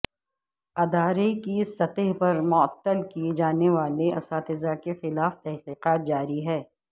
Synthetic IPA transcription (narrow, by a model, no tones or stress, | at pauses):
ɐd̪aːɾekisɐt̪əɦpɐɾmʊɐt̪ːəlkied͡ʒaːneʋaːleʔɐ̰saːt̪ɪzakexɪlaːft̪ɛɦqiːqaːt̪̚d͡ʒaːɾiɦɛː